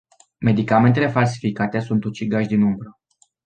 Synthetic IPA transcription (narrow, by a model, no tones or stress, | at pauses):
me̞d̪ikame̞nt̪e̞le̞fals̬i̥fikat̪e̞sunt̪ut͡ʃiɡaʃd̪inumbɾə